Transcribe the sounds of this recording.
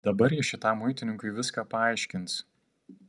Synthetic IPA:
d̪̥ɐbɐɾjiʃʲɪt̪ɑˑmːʊɪt̪ʲɪnʲɪŋkʊɪʋʲɪskɑːpɐɑˑɪʃʲkʲɪns

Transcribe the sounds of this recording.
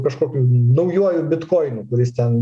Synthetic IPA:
kɐʃkoːkʲuːnɐʊjuɔjubʲɪt̪koːɪnuːkʊɾʲɪst̪ʲɛn

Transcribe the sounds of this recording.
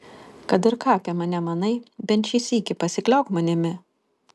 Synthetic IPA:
kɐt̪ɪɾkɑːpʲɛmɐnʲɛmɐnɐɪbʲɛnt̪ʃiːsiːkʲɪpɐsʲɪklʲɛʊkmɐnʲɪmʲɪ

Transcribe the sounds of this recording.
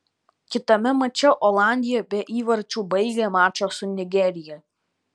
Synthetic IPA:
kʲɪt̪ɐmʲɛmɐt͡ʃʲɛʔɔlˠɑˑnʲd̪ʲɪjɛbʲɛʔiːʋɐɾʲt͡ʃʲuːbɐɪɡʲemɑːt͡ʃosʊnʲɪɡʲɛɾʲɪjɛ

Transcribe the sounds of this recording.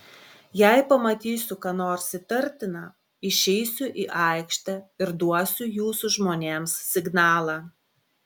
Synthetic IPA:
jɛɪpɐmɐt̪ʲiːsʲʊkɑːnoːɾsʲɪt̪ɐɾʲˑt̪ʲɪnɑ | ɪʃʲɛɪsʲʊʔiːʔɑˑɪkʃt̪ʲɐɪɾd̪uɔsʲʊjuːsʊʒmoːnʲeːmssʲɪɡnɑːlˠɑː

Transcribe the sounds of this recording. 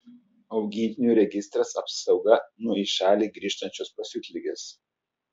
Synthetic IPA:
ɒʊɡʲiːt̪ʲnʲuːˑɾʲɛɡʲɪst̪ɾɐsɐpsɒʊɡɐnʊɔɪʃʲæːlʲiːɡɾʲiːʃt̪ɐnʲt͡ʃʲospɐsʲuːt̪ʲlʲɪɡʲeːs

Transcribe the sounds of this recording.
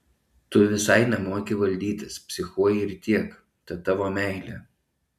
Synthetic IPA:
t̪ʊʋʲɪsɐɪnʲɛmuɔkʲɪʋɐlʲd̪ʲiːt̪ʲɪspʲsʲɪxuɔjɪɾt̪ʲiɛk | t̪ɐt̪ːɑʋoːmʲɛˑɪlʲḛː

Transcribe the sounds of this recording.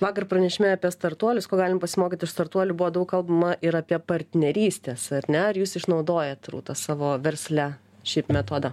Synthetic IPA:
ʋɑːkɐrpɾɐnʲɛʃʲɪmʲɛɐpʲiɛst̪ɐrt̪uɔlʲʊskoːɡɑːlʲɪmpɐsʲɪmoːkʲiːt̪ʲɪʃst̪ɐrt̪uɔlʲuːbuʋoːd̪ɐʊkɐlˠbɐmɐʔɪɾɐpʲiɛpɐɾʲt̪ʲnʲɛɾʲiːsʲt̪ʲeːsɐɾʲnʲɛɐɾjuːsɪʃnɐʊd̪oːjɛt̪rṵːt̪ɐsɑːʋoːʋʲɛɾʲsʲlʲæ | ʃʲɛɪpmʲɛt̪oːd̪ɐ

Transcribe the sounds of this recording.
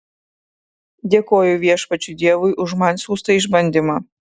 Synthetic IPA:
d̪ʲeːkoːjʊʋʲiɛʃpɐt͡ʃʲʊd̪ʲiɛʋʊɪʔʊʒmɑnʲsʲuːst̪ɐɪʒbɐnʲd̪ʲɪmɑː

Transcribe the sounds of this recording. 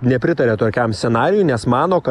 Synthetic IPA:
nʲɛpʲɾʲɪt̪ɐɾʲeːt̪oːkʲɛmsʲɛnɑːɾʲɪjʊnʲɛsmɑːnoːkɐ

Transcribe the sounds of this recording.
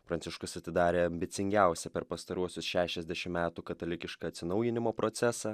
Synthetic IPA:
pɾɐnʲt̪sʲɪʃkʊsɐt̪ʲɪd̪ɑːɾʲeːɐmʲbʲɪt̪sʲɪŋʲɡʲæˑʊsʲɛpʲɛɾpɐst̪ɐɾuɔsʲʊsʃʲæːʃʲɛzʲd̪ʲɛʃʲɪmmʲæːt̪uːkɐt̪olʲɪkʲɪʃkɐɐt̪ʲsʲɪnɒʊjɪnʲɪmoːpɾot̪sʲæsɑ

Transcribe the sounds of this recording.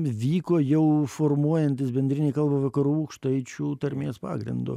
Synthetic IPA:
ʋʲiːkoːjɛʊformuɔjɛnʲt̪ʲɪsbʲɛnʲd̪ʲɾʲɪnʲiːkɐlˠbɐʋɐkɐɾuːukʃt̪ɐɪt͡ʃʲuːt̪ɐɾʲmʲeːspɑ̰ːɡɾʲɪ̰nd̪ʊ̰

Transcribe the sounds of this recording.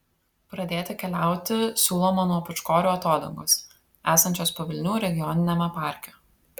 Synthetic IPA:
pɾɐd̪ʲeːt̪ʲɪkʲɛlʲæˑʊt̪ʲɪsʲuːlˠoːmɐnuɔpʊt͡ʃkoːɾʲuːɐt̪oːd̪ɐ̰ŋɡoːs | æːsɐnʲt͡ʃʲoːspɐʋʲɪlʲnʲuːɾʲɛɡʲɪjɔnʲɪnʲɛmʲɛpɑˑɾʲkʲɛ

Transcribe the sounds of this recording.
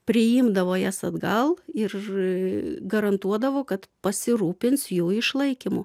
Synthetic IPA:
pʲɾʲɪɪmd̪ɐʋoːjæsɐd̪ɡɐlˠɪr | ɡɐɾɐnt̪uɔd̪ɐʋoːkɐt̪pɐsʲɪɾuːpʲɪnsjuːɪʃlˠɐɪkʲɪmʊ

